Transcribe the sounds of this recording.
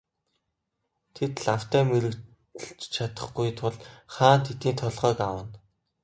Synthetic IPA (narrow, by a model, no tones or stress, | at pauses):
t̪ʰet̪ɮaw̥t̪æːmeɾɘ̆k | ə̆ɬt͡ɕt͡ɕʰat̪ə̆χɡujt̪ʰʊɮχaːnt̪ʰet̪iːnt̪ʰɔɮʁœːkawə̆n